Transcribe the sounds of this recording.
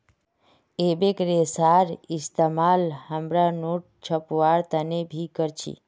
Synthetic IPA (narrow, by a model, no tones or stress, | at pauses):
ebekɾesaɾɪst̪əmalhəmɾanoʈ̚t͡ʃʰəpʋaɾt̪ənebʱikəɾt͡ʃʰḭ